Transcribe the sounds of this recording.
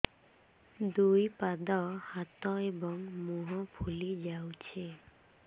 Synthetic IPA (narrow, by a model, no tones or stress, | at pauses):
d̪ujpad̪ɔhat̪ɔebɔŋmuɦɔpʰulid͡ʒawt͡ʃʰe